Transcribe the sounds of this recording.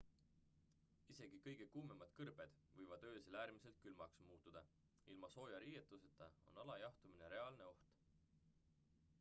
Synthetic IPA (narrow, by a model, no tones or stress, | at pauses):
ise̞ɡ̥ikɤjɡ̥e̞kuːmemɑd̪̥kɤrb̥e̞d̪̥ | vɤjvɑd̪̥øːselæːɾmise̞lt̪̚kylmɑksmuːt̪ːˑud̪̥ɑ | ilmɑso̞ːjɑɾiːjet̪ˑːuset̪ːˑɑo̰nɑlɑjɑht̪umine̞ɾe̞ɑlne̞o̞ht̪